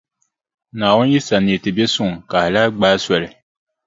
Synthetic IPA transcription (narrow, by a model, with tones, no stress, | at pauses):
naː˨wʊ˦n˦ji˦sa˨ni˨tɪ˨be˦sʊ˦˨ŋka˨hla˦ɡ͡baː˦swɛ˨lɪ˨